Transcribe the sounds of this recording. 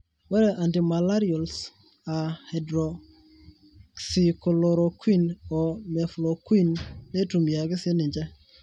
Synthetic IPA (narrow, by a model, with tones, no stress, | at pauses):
wɛ˦ɾe˨ʔa˨nti˨ma˨la˦ɾio˨ls | a˨hedɾo | ksi˨ko˨loɾo˨kwi˦no˨me˨flo˨kwi˦nːe˦tu˨mja˨ɡɪ˦sɪ˦nɪ˨ɲd͡ʒe˦